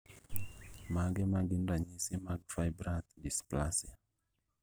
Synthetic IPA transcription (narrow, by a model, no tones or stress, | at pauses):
maɡɛmaɡindaɲisimaɡfajbɾat̪displasia